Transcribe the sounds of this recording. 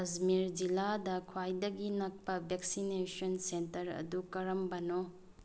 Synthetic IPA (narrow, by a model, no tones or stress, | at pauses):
ɐzmiɾd͡ʒiladɐkʰwajdɐɡinɐk̚pɐbʱeksinesonsentɐɾɐ̰dukɐɾɐmbɐno